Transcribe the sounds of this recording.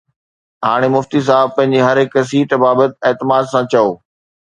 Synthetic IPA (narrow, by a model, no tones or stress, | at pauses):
ɦaːɽ̃emʊft̪is̬aːbpɐ̃ɦɪ̃ɲ̆d͡ʑeɦɐɾekəs̬iːʈbaːbət̪̚eːt̪ɪmaːd̪sãt͡ɕɐoː